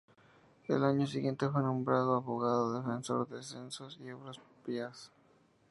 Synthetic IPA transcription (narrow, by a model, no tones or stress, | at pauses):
d̪ḛlaɲo̞s̬iɣje̞nt̪e̞fwe̞nõ̞mbɾaðoaβoɣaðoðefenso̞̰ɾðesensosioβɾaspias